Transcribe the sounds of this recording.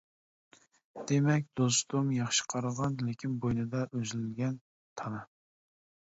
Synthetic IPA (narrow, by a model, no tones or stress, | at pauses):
d̪̥emɛkʲd̪̥ost̪umjɑχʃə̥qʰɑɾəʁɑnlekʲʰinbojnɨd̪ɑʔøzlɪlɡʲɛn | t̪ʰɑnɨ